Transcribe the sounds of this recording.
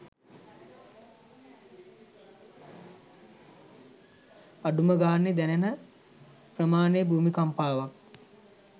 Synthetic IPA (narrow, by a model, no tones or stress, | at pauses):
aɖuməɡaːnːed̪ɛnenə | prəmaːnejbʱuːmikampaːʋak̚